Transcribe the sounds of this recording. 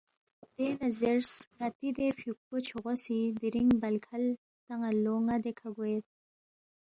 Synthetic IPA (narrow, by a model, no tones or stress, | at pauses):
d̪̥enazeɾsŋat̪id̪efuk̚ot͡ʃʰoʁosid̪iɾiŋbalkʰal | t̪aŋaloŋad̪ekʰaɡojet̪̚